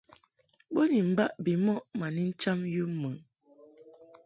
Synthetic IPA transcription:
bo˦ni˨m̩˨ba˦ʔbi˨mɔ˦ʔma˨ni˦n̩˦t͡ʃa˦mju˦mə˨

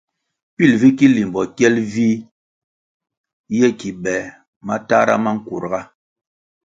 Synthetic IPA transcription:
pi˦˨lvi˦ki˦li˨m˨bɔ˨kɛ˦lvi˦ | jɛ˦ki˨bɛ˨ | ma˦ta˦ɾa̰˦ma˦ŋ̩˦ku˨ɾɣa˦

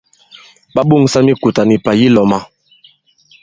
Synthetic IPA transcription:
ɓa˦ɓu˦˨ŋsa˦mi˦ku˨ta˨ni˨pa˨ji˦lɔ˨ma˨

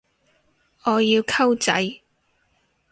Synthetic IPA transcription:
ɔː˨˧jiː˧wkʰɐ˥wt͡sɐ̰˨˧j

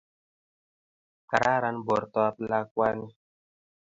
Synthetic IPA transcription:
ka˨ɾʔa˦ɾa˦nbɔ˨ɾtɔ˦a˦pla˦kwa˦ni˦

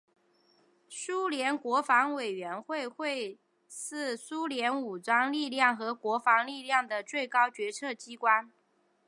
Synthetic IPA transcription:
su˥ljɛ˧˥nkwɔ˧˥fɑ˧˥ŋwe˨˩ɪɥɛ˧˥nxwe˥˧ɪxwe˥˧ɪ | ʂɹ̩˥˩su˥ljɛ˧˥nu˨˩t͡swɑ˥ŋli˥˧ljɑ˥˩ŋxɤ˧˥kwɔ˧˥fɑ˧˥ŋli˥˧ljɑ˥˩ŋd̪ə˩t͡swe˥˩ɪkɑ˥ʊt͡ɕɥɛ˧˥t͡sʰɤ˥˩t͡ɕi˥kwa˥n

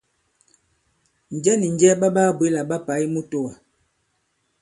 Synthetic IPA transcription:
n̩˨d͡ʒɛ˦ni˨n˨d͡ʒɛ˦ba˦baː˦bwe˨˦la˨ɓa˦pa˨˦i˦mo˦to˦wa˨

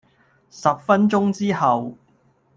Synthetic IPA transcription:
sɐ˨p̚fɐ˥nt͡ʃʊ˥ŋt͡siː˥hɐ˨w

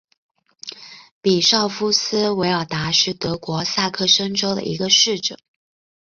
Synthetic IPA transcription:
pi˨˩ʂɑ˥˩ʊfu˥sɹ̩˥we˧˥ɪɑ˨˩ʊt̪a˧˥ʂɻ̩˥˩t̪ɤ˧˥kwɔ˧˥sa˥˧kʰɤ˥˩ʂɤ˥ŋʈ͡ʂo˥ʊd̪ə̰˨ʔi˧˥ɡə˧ʂɻ̩˥˩ʈ͡ʂɤ̰˨˩˦ŋ

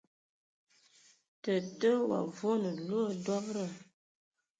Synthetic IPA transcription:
tə˨tə˦wa̰˨vo˦nə˨lo˦ə˦dwɔ˦ŋɾə˦˨

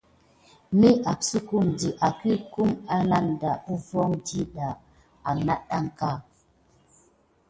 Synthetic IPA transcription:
mi˦a˨psu˦ku˦˨mdi˨ʔa˨ki˦ku˦ma˦na˦n˨da˨u˦vɔ˦ŋdi˦ɗa˨ | a˨na˦ɗa˦ŋka˦˨

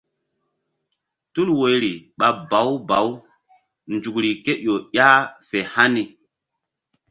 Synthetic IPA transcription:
tu˦lwo˨jɾi˨ɓa˨ba˨˦wba˨˦w | nd͡ʒu˨kɾi˨ke˦ʔo˨ɗja˦fe˨ha˦ni˨

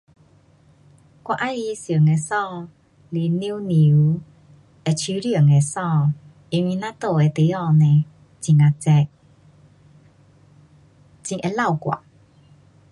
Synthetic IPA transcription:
kwa˧ʔa˦li˧sjə˨˩˨ŋe˧sɔ̃˥˧˨ | li˨ni˦ni˨u˧˦ | e˧t͡ɕʰy˧˦lji˥˧˨ŋe˨sɔ̃˥˧˨ | i˧nwi˧nã˦t̪o˥˧˨e˨˧t̪e˨˦ɔ˥˧˨nɛ̃˨ | t͡ɕi˨ŋa˧t͡sɛ˧ | t͡ɕĩ˨ŋʔe˧la˥˧˨wkwa̰˨

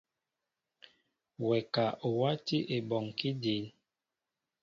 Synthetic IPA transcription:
wɛ˨ka˨ʔo˨wa˦ti˦ʔe˨bɔ˨ŋki˦de˨˦l

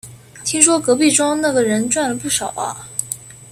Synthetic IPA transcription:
t̪ʰi˥ŋʂwɔ˥kɤ˧˥pi˥˩ʈ͡ʂɑ˥ŋna˥˩ɡə˩ɻə˧˥nʈ͡ʂwa˥˩nlə˩pu˥˩ʂɑ˨˩ʊɐ̰˦

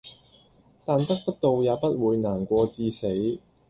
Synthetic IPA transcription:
t̪aː˨nt̪ɐ˥k̚t̪ɐ˥k̚t̪o˨wjaː˨˧pɐ˥t̚wuː˨˧jnaː˨˩nkʷɔː˧t͡siː˧se˨˥j

